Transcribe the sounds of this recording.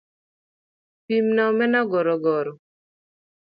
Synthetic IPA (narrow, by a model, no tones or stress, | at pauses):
pimnamɛnaɡɔɾɔɡɔɾɔ